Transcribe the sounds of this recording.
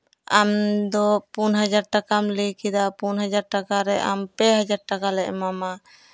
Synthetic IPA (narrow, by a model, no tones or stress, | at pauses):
amd̪ɔpunɦad͡ʒaɾʈakamlikid̪apunɦad͡ʒaɾʈakaɾɛʔampɛɦad͡ʒaɾʈakalɛʔmama